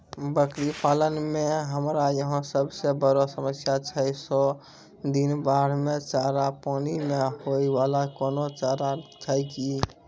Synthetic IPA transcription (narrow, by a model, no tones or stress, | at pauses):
bəkɽipaːlənmẽɦəmɾajəɦə̃səbsebəɾosəməsjat͡ʃʰəso | d̪inbaːɽmẽt͡ʃaːɾapaːnimẽɦoiwalakɔːnot͡ʃaːɾat͡ʃʰəjki